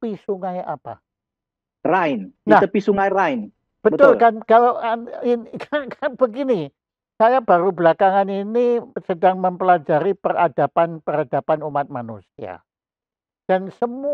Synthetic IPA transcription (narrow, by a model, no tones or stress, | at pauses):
pisuŋaja̰pa̰ | raɪninaht̪əpisuŋajraɪn | b̥əbət̪ʊllkankalowainknkanb̥əɡini | sajabaɾubəlakaŋaninisədaŋməmpəlad͡ʒaɾipəra̰dapanpərad̥apanumat̪̚manṵsia̰ | d̥ansəmu